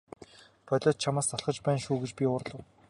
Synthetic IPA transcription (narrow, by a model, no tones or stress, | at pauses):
pʰœɮʲɔːt̪̚t͡ɕʰamaːst̪ʰaɮχə̆t͡ɕpæːnʃuːɡet͡ɕpʲiʊːr̆ɮə̆w